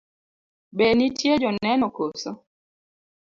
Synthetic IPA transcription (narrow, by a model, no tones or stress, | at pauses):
benitjed͡ʒɔnɛnɔkoso